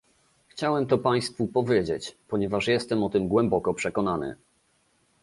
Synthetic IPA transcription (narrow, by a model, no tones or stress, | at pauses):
xt͡ɕawɛmt̪ɔpaj̃st̪fupɔvʲjed͡ʑet͡ɕpɔɲɛvaʂjɛst̪ɛmɔt̪ɘmɡwɛmbɔkɔpʂɛkɔnanɘ̰